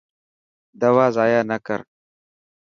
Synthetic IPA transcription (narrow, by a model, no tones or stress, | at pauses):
d̪ɐwaːzaːjaːnɐkə̰ɾ